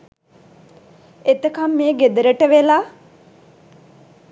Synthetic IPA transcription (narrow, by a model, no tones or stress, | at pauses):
et̪əkamːeːɡed̪əɾəʈəʋelaː